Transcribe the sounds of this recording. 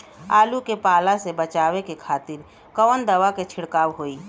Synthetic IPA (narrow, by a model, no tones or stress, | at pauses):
aːlukepaːlasebət͡ʃaːʋekekʰaːt̪ɪɾ | kɔːnd̪ɐʋaket͡ʃʰɪɽkaːwɦoːiː